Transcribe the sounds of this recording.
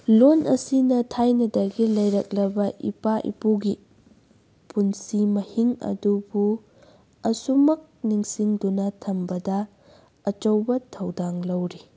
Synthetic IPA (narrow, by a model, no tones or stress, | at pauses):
lonʔɐsinɐtʰajnɐdɐɡilɐjɾɐk̚lɐbɐʔḭpaʔḭpuɡi | punsimɐhiŋɐ̰dubu | ɐsumɐk̚niŋsiŋdunɐtʰɐmbɐdɐː | t͡ʃɐwbɐtʰɐwdaŋlɐwɾi